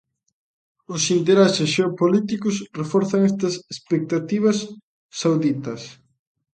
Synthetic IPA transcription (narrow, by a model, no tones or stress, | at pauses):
ʊsint̪̬eɾasesʃeopolit̪ikʊsrefɔɾθaŋɛst̪ɐsespek̚t̪at̪iβ̞ɐsː | awðit̪ɐs